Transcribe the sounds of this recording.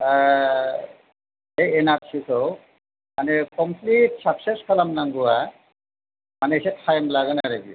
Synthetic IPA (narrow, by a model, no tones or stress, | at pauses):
ejenaɾsisʰɔw | manɛkɔmpʰlitsaksɛskʰalamnaŋɡuwa | manɛsɛtʰajmlaɡanaɾaɡi